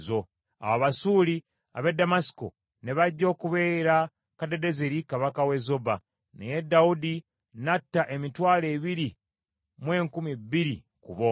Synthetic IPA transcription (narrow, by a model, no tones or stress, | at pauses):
zo̞ | a̰waβasuːli | a̰βe̞dːamasi̥ko̰ | ne̞βaɟːo̞ːkuβeːɾa | kade̞de̞zeɾikaβakawe̞zo̞ba | nḛje̞daudi | natːaʔe̞mitwaːle̞ːβiɾi | mwe̞ːŋkumibːiɾḭ | kṵβo